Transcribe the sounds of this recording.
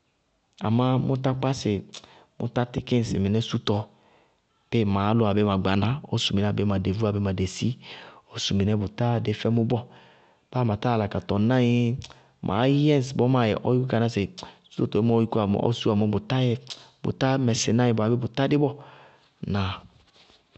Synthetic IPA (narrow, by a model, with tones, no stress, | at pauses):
a̰˨ma˦mu˦ta˦k͡pa˦se˨ | mṵ˦ta˦ti˦ki˦n˨sḭ˨mi˨nɛ˦su˦tɔ˨ | pe˦˨ma˨˦lu˦˨a˨be˦ma˨ɡ͡ba˨na˦o̰˦su˨mi˨n˦a˨be˦ma˨de˨vu˦a˨be˦ma˨de˨si˦o˦su˨mi˨nɛ˦bu˨ta˦de˨fɛ˦mu˦bɔ˦ | b̥a˦˨ma˨ta˦˨la˨ka˨tɔ˨na˦ji˦ | mʔa̰˨˦ɛ˦n˨sbɔ˦ma˦˨jɛ˨ʔɔ̰˦ju˦ka˨na˦se˨su̥˦to˨tɔ˨e˦m˦o˦ji˦ku˦a˨m̰˨˦ɔ̰˦su˦a˨mɔ˦bu˨ta˦jɛ˦bṵ˨ta˦mɛ˨si˨na˦ĩ˨ba˨be˦bu˨ta˦di˦bɔ˦ | na˨